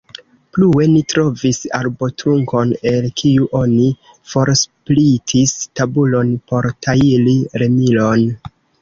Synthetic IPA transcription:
plue̞nitɾo̞visa̰ɾbo̞tɾuŋko̞ne̞lkʰiuʔo̞ni | fo̞ɾsplitʰistabulo̞npo̞ɾtʰailiɾe̞milo̞n

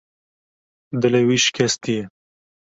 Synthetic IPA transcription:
d̪ɨlewiʃkʲʰɛst̪ijɛ

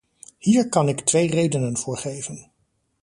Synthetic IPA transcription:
hiːɹkɑnɪktʋejrejdənənvʊːɹχejvən

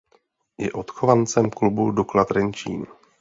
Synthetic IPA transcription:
jɛʔo̞t̪xovant͡sɛmklubuduklat̪ɾɛnt͡ʃḭːn

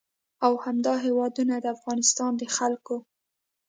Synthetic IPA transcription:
awhamd̪ɑɦewɑd̪unad̪əafɣɑnɪst̪ɑnd̪əxalko

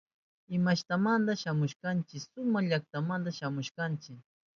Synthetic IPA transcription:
ɪmaʃt̪amand̪aʃamʊʃkant͡ʃɪksʊmaʎak̚t̪amand̪aʃamʊʃkant͡ʃɪk

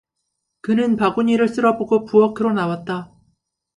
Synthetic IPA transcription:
kɯnɯnpaɡuɲiɾɯɭs͈ɯɾʌboɡopuʌkʰɯɾonawat̚t͈a

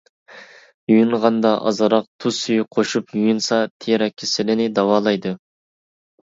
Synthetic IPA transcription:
jujuɴʁɑnd̪ɑʔɑ̰zɑɾɑq̚t̪ʰusyjqʰoʃupjujunsɑt̪ʰeɾɛkʲʰːɪsɪlɪnɪd̪ɑwɑːlˠɑjd̪ɨ

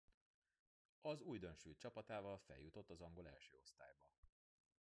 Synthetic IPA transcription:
ɒzuːjd̪ø̞nʃuːt͡ʃɒpɒt̪aːvɒlfɛ̰ljut̪o̞t̪ːɒzɒŋɡo̞lɛ̰lʃø̰ːo̞st̪a̰ːjbɒ

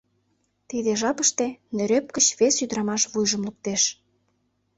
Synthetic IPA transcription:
t̪id̪eʒɑpəʃt̪enøɾøp̚kət͡ɕβesyd̪ɾɑmɑʃβujʒəmluk̚t̪eʃ

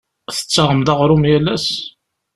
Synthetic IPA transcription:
θə̥t͡sːaʁəmd̪ɑʁɾˤʊmjælːæs

